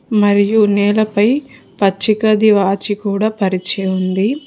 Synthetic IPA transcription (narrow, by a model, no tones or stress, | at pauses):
mɐɾijunɛːlɐpɐj | pɐt͡ʃːikɐd̪iʋaːt͡ʃikuːɽaːpɐɾit͡ʃɛːjund̪i